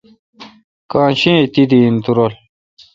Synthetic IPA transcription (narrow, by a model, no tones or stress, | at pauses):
kãːnɕĩːt̪id̪int̪uɾol